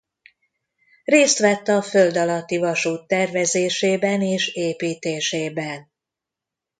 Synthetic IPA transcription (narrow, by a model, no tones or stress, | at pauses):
reːst̪ʋɛt̪ːɒføld̪ɒlɒt̪ːivɒʃuːt̪ːɛrvɛzeːʃeːbɛneːʃeːpiːt̪eːʃeːbɛn